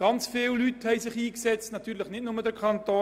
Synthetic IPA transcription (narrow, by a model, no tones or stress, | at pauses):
ɡ̥ɑnt͡sfɪːllythɛɪsɪχiːksɛt͡stnɑt̪yːɾlɪχnɪt̚nʊmədəɾkʰɑntoː